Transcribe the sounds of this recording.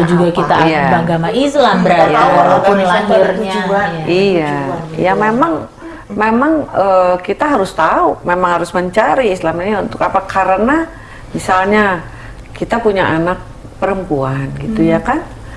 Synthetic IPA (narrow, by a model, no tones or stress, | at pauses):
d͡ʒuɡakit̪aijabɡamaislambəɾat̪aalapʊnlaŋɪrɲad͡ʒuaijajamemaŋ | memaŋəkit̪aɦaɾʊst̪aumemaŋhaɾʊsməɲt͡ʃaɾiːslamaɲaunt̪ʊkapakaɾəna | misalɲa | kit̪apuɲaʔanak̚ | pəɾəmpuanɡit̪ujakan